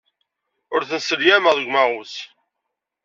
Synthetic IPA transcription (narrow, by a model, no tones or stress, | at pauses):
ʊɾθənsəljæməʁðəɡʷmæʁus